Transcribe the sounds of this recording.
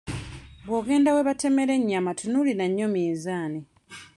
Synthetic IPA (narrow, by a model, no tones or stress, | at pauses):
βwoːɡe̞ːndawe̞βate̞me̞ɾe̞ɲːamatʰunulinaɲːomiːnzaːni